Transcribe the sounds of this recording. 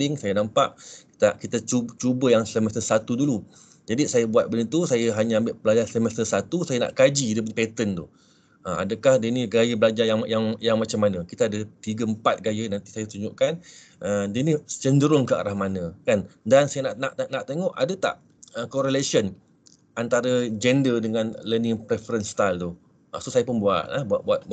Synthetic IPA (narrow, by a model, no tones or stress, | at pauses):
ɪŋsajənampaʔki̥t̪akit̪at͡ʃut͡ʃubəjaŋsəmɛst̪əsat̪udulu | d͡ʒadisajəbuat̪̚bənət̪usajəɦaɲaambɪʔpəlad͡ʒasəmɛst̪əsat̪usajəna̰ʔkad͡ʒidəpəpet̪ənt̪uh | əma̰dəkahdəniɡajəbəlad͡ʒajaŋjaŋjaŋmat͡ʃamːanə̃kit̪aadət̪iɡəəmpat̪̚ɡajənant̪isajət̪uɲd͡ʒuʔkan | ʔədənisə̥t͡ʃəndəɾʊŋkəa̰ɾahmanə̃kandansajənaʔnaʔnaʔt̪eŋɔʔadət̪a̰ʔ | əkoɾelesən | ant̪aɾəd͡ʒɛndədəŋanləniŋpɾefəɾənst̪ajlt̪u | ʔəsosajəpʊnbua̰t̪̚lahbuabuat̪̚b